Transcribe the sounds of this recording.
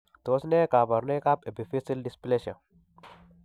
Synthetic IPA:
t̪o˦sne˦ka˨bɐ˨ɾne˦ka˦pe˨bi˨fi˦si˦ldɪ˦sple˦ʃa˨

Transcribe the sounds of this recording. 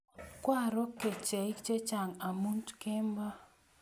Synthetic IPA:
kwa˦˨ɾɔ˦ke˨t͡ʃɛ˨i˦kt͡ʃe˦t͡ʃa˨ŋa˨mu˦ntke˦mba˦

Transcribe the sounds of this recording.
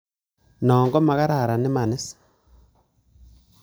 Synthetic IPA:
nɔː˨ŋɡɔ˦ma˨ɣa˦ɾa˦˨ɾa˨ne˦ma˨ne˦s

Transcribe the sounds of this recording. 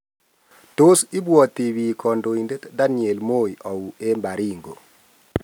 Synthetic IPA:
to˦si˦bwɔ˨ti˨wi˨kʰɔ˨ndo˨i˨nde˦tda˦nie˨lmo˦i˨ʔɔ˨u˨e˦mba˨ɾi˦ŋɡo̰˨

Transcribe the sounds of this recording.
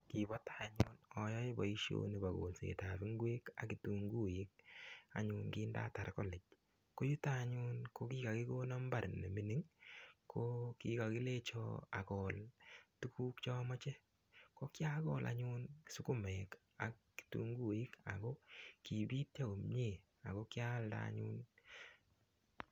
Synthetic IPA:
ki˨bɔ˦ta˦˨ɲṵ˦nɔ˨jɔ˦ɪ˦ba˨i˦ʃjo̰˦ni˨ba˨ɣo̰˨lsḛ˨ta˨βi˦ŋɡwe˦ka̰˨ki˨tu˨ŋɡu˦jɪ˦k̚a̰˨ɲʊ˨nkɪː˦nda̰˦ta˨ɾkɔ˦lɛ˨t͡ʃ | ko˦ju˦ta˦˨ɲʊ˦nko˦kiː˦ka˨kɪ˦ko˦nɔ˦mba˦˨ɾnːe˨mi˦ni˦ŋkʰo˦ki˦ka˨ki˦le˦t͡ʃɔ̰˦a̰˨kɔ˨ltu˦ku˦kt͡ʃɔ˦mɔ˦t͡ʃe˦ | ko˦kja˦kɔ˦˨lʔa̰˨ɲʊ˦nsu˦kʊ˦mɛ˨k | a˨kː | i̥˨tṵ˦ŋɡu˦i˦ka̰˨ko˦ki˨bi˦t̚t͡ʃa˦ko˨mɲe˨ | a̰˨ko˦kja˦lda̰˨ɲṵ˦n

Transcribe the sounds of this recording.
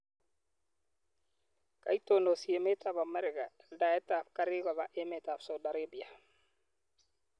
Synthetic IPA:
ka̰itono˨sie˨me˦ta˨bamɛ˦ɾɪ˨ka˨ɛlda˨ɛ˦ta˨fka˦ɾɪ˦ɡa˨βa˨ʔe˦me˨ta˨fsa˨uda˨ɾabi˨a˨

